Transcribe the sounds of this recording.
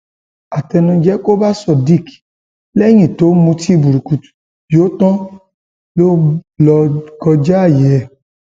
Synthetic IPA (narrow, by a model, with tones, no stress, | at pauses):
a˨tɛ˧nɔ̃˧d͡ʒɛ˦ko˦ba˦sɔ˦˨di˦˨k | lɛ˦ɲĩ˦˨to˨˦mũ˧ti˦˨bu˨ɾi˨ku˨t | jo˨˦t̪ɔ̃˦ | lo˦lɔ˧ɡɔ˧d͡ʒa˦a˦˨jɛ˨˦ɛ˨